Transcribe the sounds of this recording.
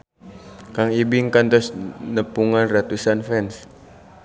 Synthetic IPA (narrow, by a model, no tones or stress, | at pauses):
kaŋibiŋkant̪ɔsnəpuŋanrat̪usanfɛns